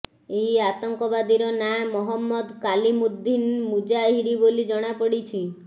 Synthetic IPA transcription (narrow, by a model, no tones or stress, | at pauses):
eɦiat̪ɔŋkɔbad̪iɾɔnamɔɦɔmːɔd̪kalimud̪ːinmud͡ʒaɦiɾibolid͡ʒɔɽ̃apɔɽit͡ʃʰi